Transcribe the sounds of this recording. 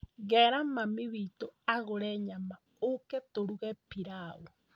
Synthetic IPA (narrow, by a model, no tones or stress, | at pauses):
ɣɛɾamamiβitoaɣoɾɛɲama | okɛtoɾuɣɛpiɾao